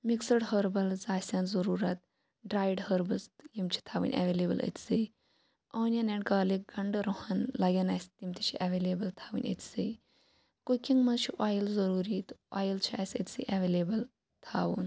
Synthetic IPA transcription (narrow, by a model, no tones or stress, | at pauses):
miksəɽɦəɾbɐlzaːsʲaːnzɐɾuːɾɐt̪ | ɖɾaːjɖhəɾbɐsjimt͡ʃʰi̥t̪ʰaːʋɨ̰nʲʔa̰ʋeleːbə̰lə̰t̪ʲse | ɐːnʲjaneɳkaːlik̚ɡɐɳɖɾohɐnlaɡʲɐnaːst̪imʲt̪it͡ʃʰiʔaʋeːleːbəlt̪ʰaːʋɨ̰nʲə̰t̪ʲsi | kukʲiŋɡmɐzt͡ʃʰiʔaːjlzɐɾuːɾit̪a̰ːjəlt͡ʃʰiaːsʲə̰t̪ʲsḭʔaʋelebəl | t̪ʰaːʋṵːn